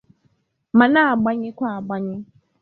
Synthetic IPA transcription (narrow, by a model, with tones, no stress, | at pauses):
ma˨na˦a˨ɡ͡ba˦ɲɪ˦kʷa˦˨a˨ɡ͡ba˦ɲɪ˦